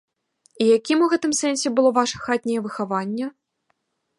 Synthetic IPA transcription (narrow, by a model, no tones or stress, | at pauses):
ijakʲimuɣɛt̪ɨmsɛnʲsʲɛbɨlˠɔvaʂɐxat̪ʲnʲɛjɐvɨxavanʲːɐ